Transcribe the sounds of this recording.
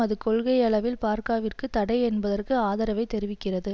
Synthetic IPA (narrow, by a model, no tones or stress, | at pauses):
ɐðɯkɔɭɣɐɪɐɭɐʋɪlpaːɾkaːʋɪrkɯt̪ɐɽɐɪɛnbɐðɐrkɯaːðɐɾɐʋɐɪt̪ːɛɾɪʋɪkːɪrɐðɯ